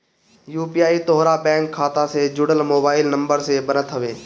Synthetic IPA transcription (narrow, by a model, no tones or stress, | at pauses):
juːpijaːit̪oɦɾabɛ̃ːŋkʰːaːt̪ãsed͡ʒʊɽəlmoːbaːɪlnə̃mbəɾsebənət̪ɦəʋeː